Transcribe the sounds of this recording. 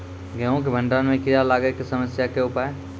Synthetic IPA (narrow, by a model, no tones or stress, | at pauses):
ɡəõk̬ebʱə̃ɳɖanmẽkɪjalaːɡekesəməsjakeʊpae